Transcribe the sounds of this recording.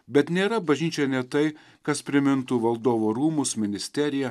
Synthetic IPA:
bʲɛt̪nʲeːɾɐbɐʒʲnʲiːt͡ʃʲɛnʲɛt̪ɐɪ | kɐspʲɾʲɪmʲɪnt̪uʋɐlˠd̪oːʋoːɾuːmʊsmʲɪnʲɪsʲt̪ʲɛɾʲɪjɛ

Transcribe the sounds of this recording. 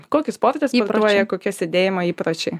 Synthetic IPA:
koːkʲɪspoːɾʲt̪ʲɛsːɐɾuɔjɛkoːkʲiɛsʲed̪ʲeːjɪmɐiːpɾɐt͡ʃʲɛɪ

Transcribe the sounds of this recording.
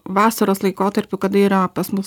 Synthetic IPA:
ʋɑːsɐɾoːslˠɐɪkoːt̪ɐɾʲpʲʊkɐd̪ɐiːɾɐpɐsmʊs

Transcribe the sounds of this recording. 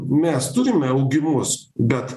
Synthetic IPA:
mʲɛst̪ʊɾʲɪmʲɛɐʊɡʲɪmʊsbʲɛt̪

